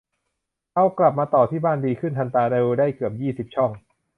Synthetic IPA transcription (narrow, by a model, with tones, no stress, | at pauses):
ka˧wkla˨˩p̚maː˧t̪ɔː˨˩t̪ʰiː˥˩baː˥˩ndiː˧kʰɯ˥˩nt̪ʰa˧nt̪aː˧de˧wdaː˥˩jkɯ˨˩əp̚jiː˥˩si˨˩p̚t͡ɕʰɔ˥˩ŋ